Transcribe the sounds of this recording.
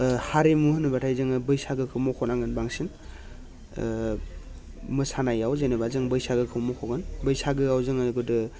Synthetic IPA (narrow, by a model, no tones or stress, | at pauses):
haɾemuhɯnɯbatʰajzɯŋɯbɯjsaɡɯkʰɯwmɔkʰonaŋɡɯnbaŋsin | mɯsanajawzenebazɯŋbɯjsaɡɯkʰɯwmɔkʰoɡɯnbɯjsaɡɯawzɯŋɯɡɯdɯ